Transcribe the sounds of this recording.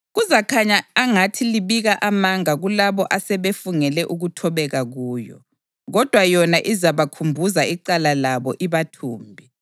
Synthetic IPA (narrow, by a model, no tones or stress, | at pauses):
ɣuzakʰaɲaaŋatʰiliβiɣaʔamaŋaɣulaβɔʔasɛβefuŋɛlɛʔuɣutʰɔβɛɣaɣuːjɔ̰ | ɣɔd̥ʱwajɔnaʔizaβakʰumbʱuzaiǀalalaβɔʔiβatʰuːmbʱi